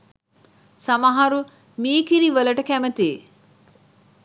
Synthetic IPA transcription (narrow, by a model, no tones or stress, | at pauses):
sɐmɐɦɐɾu | miːkiɾiʋəlɐʈəkæmət̪eː